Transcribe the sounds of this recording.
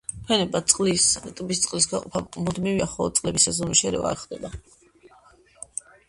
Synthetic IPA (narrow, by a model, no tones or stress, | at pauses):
pʰɛnɛbat̪sʼqʼlisɛt̪ʼbist̪sʼqʼlis̬ɡaqʼɔpʰamud̪miviaχɔɔt̪sʼlɛbisazɔniʃɛɾɛ̰va̰ːkχd̪ɛba